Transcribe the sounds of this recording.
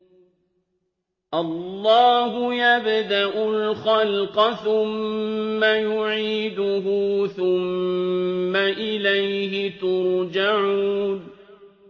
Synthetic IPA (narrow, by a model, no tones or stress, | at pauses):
ʔɑlˤːɑːɦʊjabd̪aʔʊlxalqɑθʊmː | ajʊʕiːd̪ʊɦʊθʊmː | aʔɪlajhɪt̪ʊɾd͡ʒaʕuːn